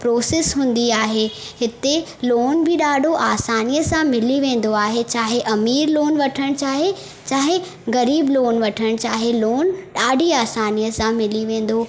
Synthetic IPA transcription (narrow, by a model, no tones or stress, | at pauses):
pɾoːsesɦũːn̆d̪iaːɦe | ɦɪt̪e | loːnbɪɗaːɖʱoʔaːsaːnijəsãmɪliʋẽːn̆d̪oaːɦet͡ɕaːɦeʔɐmiːɾloːnʋɐʈʰəɽ̃t͡ɕaːɦe | t͡ɕaːɦe | ɣɐɾiːbloːnʋɐʈʰəɽ̃t͡ɕaːɦeloːnɗaːɖʱiaːsaːnijəsãmɪliʋẽːn̆d̪oː